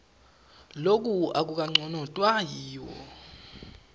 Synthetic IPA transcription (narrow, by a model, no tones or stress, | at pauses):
lok̬ʼuak̬uk̬aŋ͡ǀɔnɔtʼwajiːwɔ̰